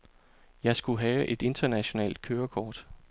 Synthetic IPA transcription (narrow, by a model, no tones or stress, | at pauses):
jɑ̈ɪsɡ̥uɦɛːʊʔe̝d̥e̝nd̥ɐnæɕo̝nɛ̰ːld̥̚kʰøːɐkʰɒːd̥